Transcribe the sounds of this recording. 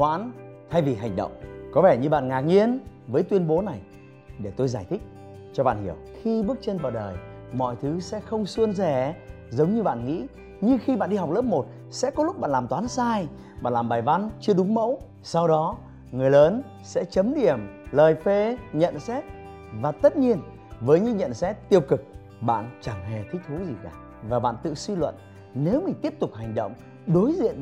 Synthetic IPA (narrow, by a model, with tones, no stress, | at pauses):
hwa̰ː˧˥n | t̪ʰa˧jvi˨˩ɦa˨˩jŋ̟ɗə̰˧˨wŋ͡mkɔ˨˦vɛ˧˩ɲɨ˧ɓa̰ː˧˨nŋaː˨˩ŋi˧ənvəː˨˦jt̪wi˧ənɓo˨˦na˨˩j | ɗe˧˩t̪o˧jzaː˧˩jt̪ʰï˦˥k̟̚ | t͡ɕɔ˧ɓa̰ː˧˨nhi˧˩əwxi˧ɓɨ˦˥ək̚t͡ɕe˧nvaː˨˩ɗəː˨˩j | mɔ̰˧˨jt̪ʰɨ˨˦sɛ̰˧˥xə˧wŋ͡msu˧ənzɛ˧˩ | zə˨˦wŋ͡mɲɨ˧ɓa̰ː˧˨nŋḭ˧˥ | ɲɨ˧xi˧ɓa̰ː˧˨nɗi˧ɦa˨˩wk͡p̚ləː˦˥p̚mo˨˩t̚ | sɛ̰˧˥kɔ˨˦lʊ˦˥k͡p̚a̰ː˧˨nlaː˨˩mt̪waː˨˦nsaː˧j | ɓa̰ː˧˨nlaː˨˩mɓaː˨˩jva˧nt͡ɕɨ˧əɗʊ˨˦ŋ͡mmə̰˧˥w | sa˧wɗɔ˨˦ | ŋɨ˨˩əjləː˨˦n | sɛ̰˧˥t͡ɕə˨˦mɗi˨˩əmləː˨˩jfe˧ɲə̰˧˨nsɛ˦˥t̚ | vaː˨˩t̪ə˦˥t̚ɲi˧ən | vəː˨˦jɲɨ̰˧˥ɲə̰˧˨nsɛ˦˥t̚t̪i˧˩əwkɨ˨˩k̚ | ɓa̰ː˧˨nt͡ɕa˧˩ŋhɛ˨˩t̪ʰï˦˥k̟̚t̪ʰu˨˦zi˨˩kaː˨˩ | vaː˨˩ɓa̰ː˧˨nt̪ɨ̰˧˨swi˧lwə̰˧˨n | ne˨˦wmï˨˩t̪i˦˥əp̚t̪ʊ˨˩k͡p̚ha˨˩jŋ̟ɗə̰˧˨wŋ͡m | ɗo˨˦jzḭ˧˨ən